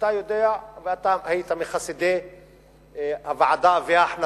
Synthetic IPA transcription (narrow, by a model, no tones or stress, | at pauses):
t̪ajod̪eaveat̪amait̪ameχasid̪e | havaʕad̪aveaħna